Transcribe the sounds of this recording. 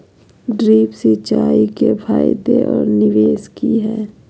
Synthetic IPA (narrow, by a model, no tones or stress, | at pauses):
ɖɾiːpsit͡ʃaːikepʰaːjd̪eʔɔːɾnɪʋeːskiɦɛː